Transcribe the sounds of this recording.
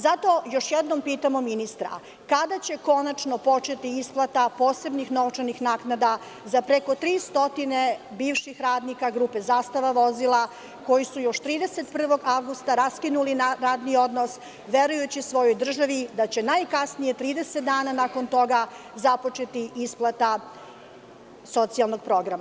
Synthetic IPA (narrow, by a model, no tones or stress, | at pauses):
zat̪o̞jo̞ʃjed̪nompiːt̪amo̞minist̪ɾa̰ | kad̪at͡ɕe̞ko̞nat͡ʃno̞po̞t͡ʃe̞t̪iisplˠat̪apo̞ːse̞bnixno̞t͡ʃanixnaːknad̪a | zapɾeko̞t̪ɾiːst̪o̞t̪ine̞ | biːʋʃixɾaːd̪nikaɡɾuːpe̞zaːst̪aʋaʋo̞zilˠa | ko̞jisujo̞ʃt̪ɾiːd̪ese̞t̪̚pr̩ʋo̞ɡaʋɡust̪aɾaskinulinaɾaːd̪nio̞d̪nos | ʋe̞ɾujut͡ɕisʋo̞jo̞jd̪r̩ʒaʋid̪at͡ɕe̞najkasnije̞t̪ɾiːd̪eset̪d̪aːnanako̞nt̪o̞ɡa | zapo̞t͡ʃe̞t̪iisplˠat̪a | so̞t̪sijalˠno̞ɡ̚pɾo̞ɡɾama